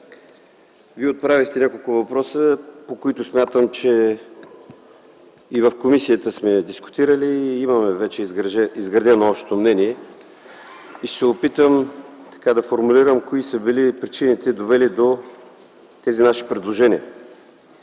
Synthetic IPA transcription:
viɛot̪̚pɾavʲixt̪ɛnʲakolˠkʊvɐpɾɔsəpokoit̪ʊsmʲjat̪əmt͡ʃɛ | vəfkomisiət̪əsmɛd̪iskʊ̥t̪iɾəliimɐmɛvɛt͡ʃɛizɡɾɐd̪ɛnoɔpʃt̪o̥t̪omnɛniɛ | isɛopit̪əmt̪ɐ̥kad̪ɐfoɾmuliɾəmkoisəbilipɾit͡ʃinit̪ɛd̪ovɛlid̪o | t̪ɛzinaʃi̥pɾɛd̪lˠoʒɛniə

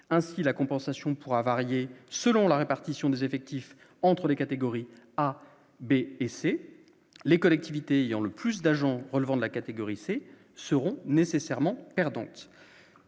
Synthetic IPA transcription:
ɛ̃silakɔ̃pɑ̃sasjɔ̃puʁavaʁjesəlɔ̃laʁepaʁt̪isjɔ̃d̪ezefɛk̚t̪if | ɑ̃t̪χəlekat̪eɡɔʁi | a | beːse | lekɔlɛk̚t̪ivit̪eːjɑ̃ləplys̬d̪aʒɑ̃ʁəlvɑ̃d̪əlakat̪eɡɔʁise | səʁɔ̃nesesɛʁmɑ̃pɛʁd̪ɑ̰̃t̪

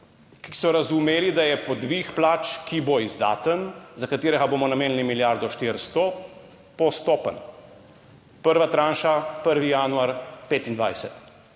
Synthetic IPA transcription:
kisɔɾazumeːlid̪ajɛpɔd̪ʋixplaːt͡ʃkiboizd̪a̰ːt̪ənzakat̪eːɾɛɡaboːmɔnameːnlimiljaɾd̪ɔʃt̪iɾst̪ɔ | pɔst̪ɔːpə̰n | pəɾʋat̪ɾaːnʃapəɾʋijaːnuaɾpeːt̪ind̪ʋa̰jsɛt̪

